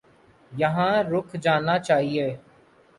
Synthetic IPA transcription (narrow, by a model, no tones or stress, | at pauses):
jəɦãːɾʊkʰd͡ʒaːnaːt͡ʃaːɦieː